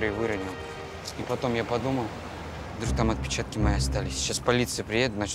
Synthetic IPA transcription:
ɾɪjvɨɾɐnʲɪlˠ | ipɐt̪o̞mjapɐd̪uməlˠ | d̪ɾuk̚t̪amɐt̪̚pʲɪ̥t͡ɕat̪kʲɪmɐjeɐst̪alʲɪsʲɕaspɐlʲit̪sɨjəpɾʲɪjed̪ʊt̪nɐt͡ɕ

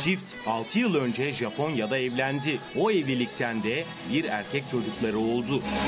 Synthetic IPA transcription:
t͡ʃʰift̪alˠt̪ʰɯjɯlˠø̞nd͡ʒɛʒapʰo̞njad̪aɛvlʲænd̪ioɛvlʲilʲic̚t̪ʰænd̪ɛ | biɾæ̰ɾcʰɛc̚t͡ʃʰo̞d͡ʒuklˠaɾɯo̞lˠd̪ʊ

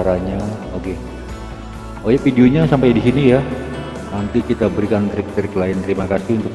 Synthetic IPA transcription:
aɾaɲaoke | ojɛfidioɲasampajdisinija | nant̪ikit̪abəɾikant̪ɾɪk̚t̪ɾɪklaɪnt̪əɾimakasiunt̪ʊk̚

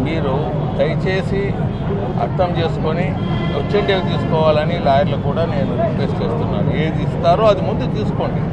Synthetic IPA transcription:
miːɾu | t̪ɐjt͡ʃe̞ːsi | ɐ̰ɾt̪ɐmt͡ʃe̞ːsu̥koni | ot͡ʃːeɳʈeːkt̪iːsu̥kɔːʋaːlɐnilaːjɐɾlɐkuːɽaːne̞ːnuiest͡ʃe̞ːst̪unːa̰ːɾue̞ːd̪ist̪aːɾoːɐd̪imund̪ut̪iːsu̥ko̞ːɳɖi

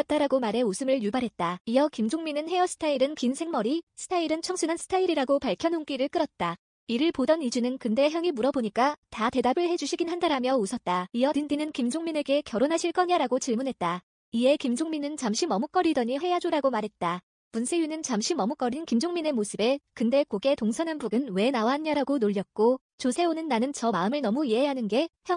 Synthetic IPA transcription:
ʌt̚t͈aɾaɡomaɾe̞osʰɯmɯɭjubaɾɦe̞t̚t͈aiʌkimd͡ʑoŋminɯnhe̞ʌsʰɯ̥tʰaiɾɯnkinsʰe̞ŋmʌɾisʰɯ̥tʰaiɾɯnt͡ɕʰʌŋsʰɯnɦansʰɯ̥tʰaiɾiɾaɡopaɭkʰjʌnɦoŋk͈iɾɯɭk͈ɯɾʌt̚t͈a | iɾɯɭpodʌnid͡ʑunɯnkɯnde̞çjʌŋimuɾʌboɲik͈atate̞dabɯɭɦe̞d͡ʑuɕʰiɡinɦandaɾamjʌusʰʌt̚t͈aijʌdɯndinɯnkimd͡ʑoŋmine̞ɡe̞kjʌɾonɦaɕʰiɭk͈ʌɲaɾaɡot͡ɕiɭmunɦe̞t̚t͈a | ie̞kimd͡ʑoŋminɯnt͡ɕamɕʰimʌmuk͈ʌɾidʌɲiɸe̞jad͡ʑoɾaɡomaɾɦe̞t̚t͈a | munsʰe̞junɯnt͡ɕamɕʰimʌmuk͈ʌɾinkimd͡ʑoŋmine̞mosʰɯbe̞kɯnde̞koɡe̞toŋsʰʌnanbuɡɯnwe̞nawaɦanɲaɾaɡonoʎːjʌt̚k͈o | t͡ɕosʰe̞onɯnːanɯnt͡ɕʌmaɯmɯɭnʌmuieɦanɯnɡe̞çjʌ

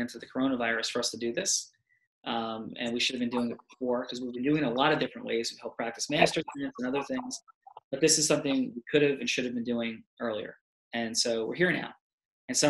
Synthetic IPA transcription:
ɨ̃ntʰʌvðɨkʰə˞õʊ̃nəvaɪɹɨsfə˞ʌstʰɨdɨðɪs | ʔʌ̃mɨ̰̃nwiʃʊɾɨvbɨ̃ndʉɪ̃ŋɨt̚b̥əfɔɹkʰʌzwivbɨ̃ndʉɪ̃ŋəlɔɾʌvdɪfɹɨ̃nʔwḛɪz̥wɨv̥hɛlˠpʰɹ̥æk̚tɨsmæstə˞ɨ̃nsɨ̃nʌðə˞θɪ̃ŋz̥b̥ʌt̪̚ðɪsɨz̥sʌ̃mθɪ̃ŋwikʰʊɾɨvɨ̃nʃʊɾɨvbɨ̃n̩dʉɪ̃ŋɜ˞lˠiə̰˞ | ɨ̃nsoʊwɪ̰ɹɦiɹna̰ʊ | ɨ̃nso

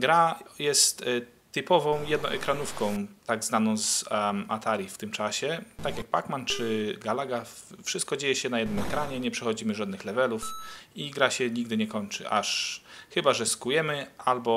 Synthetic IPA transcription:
ɡɾajɛst̪ː | ɘpɔvɔ̃w̃jɛd̪nɔ̰̃w̃ʔɛkɾanufkɔ̃w̃t̪aɡzanɔ̃w̃za̰t̪ʰaɾʲjift̪ɘmt͡ʂaɕɛt̪akjaɡ̚bakmant͡ʂɘɡalaɡafʂɘst̪̚kɔd͡ʑejɛɕɛnajɛd̪nɘmɛkɾaɲɛɲɛpʂɛxɔd͡ʑimɘʐad̪nɘxlɛvɛlufiɡɾaɕɛɲiɡ̚d̪ɘɲɛkɔɲt͡ʂɘ̰ʔa̰ʂxɘbaʐɛskujɛmɘʔalbɔ

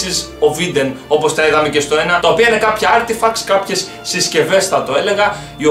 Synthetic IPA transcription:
is | o̞vid̪e̞nopo̞st̪ɐeɣɐme̞ce̞st̪o̞e̞nɐt̪ɐo̞piɐine̞kɐpçɐɐɾt̪efɐkskɐpçe̞sːisce̞ve̞sθɐt̪o̞e̞le̞ɣɐ | io

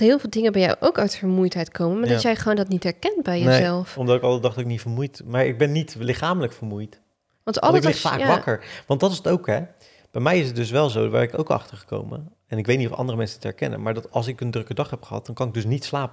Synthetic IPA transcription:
ɦɪːlˠvɪːlˠdɪŋəbɛja̰wʔowkœɥtfəɹmujtɦɛjtkowməmaːɹdɑtjɛjχəʋoːndɔtnitɦɛɹkɛntbɛjjənezɛlˠfɔmdɑtɪkɑlˠdədɑχdɑtɪknitfəɹmujtmaːɹɪ̰ɡ̚bɛnːitlɪχaːmələkfəɹmujt | ʋɑntɑ̰lˠəɪfa̰ːkaʋɑkəɹʋɑntdɑtɪsətowkɦɛ | b̥ɛjmɛjɪsət̚dɵs̬ʋɛlˠzowʋa̰ːɹɪko̰wkɑ̰χtəɹχə̥ko̰wmə̰ | ɛnɪkʋejtnitɔfɑ̰ndərəmɛnsəntəɛ̰ɹkɛ̰nə̰nmaːɹdɑtɑlˠs̬ɪkəndrɵkədɑχɦɛpχəɦɑ̰t̚dɑnkɑnɪɡ̚dɵs̬nitslaːpə

